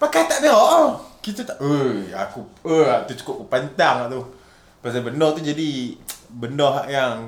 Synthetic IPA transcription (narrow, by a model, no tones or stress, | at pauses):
pakajt̪aʔdəɦɔʔkit̪̬ət̪aʔəa̰kuəat̪ut͡ʃu̥kʊp̚kupant̪aŋlaʔt̪u | pasabəndɔt̪ud͡ʒadibəndɔɦaʔjaŋ